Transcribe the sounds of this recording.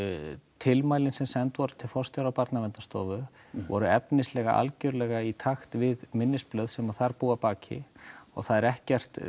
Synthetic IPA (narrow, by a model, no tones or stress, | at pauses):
t̪ʰɪlmaːjlɪnsɛmsɛnt̪vɔɾʏ̥t̪ʰɪlfɔrst̪jɔɾawpaɾt̪namɛnt̪ast̪ɔːvʏ | vɔ̰ɾʏɛpnɪslɛɣa̰ʔa̰lcœɾʏlɛɣait̪ʰaxt̪vɪðmɪnːɪsplœɥðsɛmaθaɾpuːapaːcʰɪ̰ɔ̰ɣθaðɛɾɛhcɛr̥t̪